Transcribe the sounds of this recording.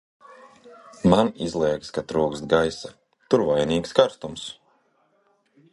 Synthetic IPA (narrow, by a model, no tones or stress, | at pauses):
manizlˠiɛkskat̪ɾuːkst̪̚ɡajsa | t̪uɾvajniːkskaɾst̪ums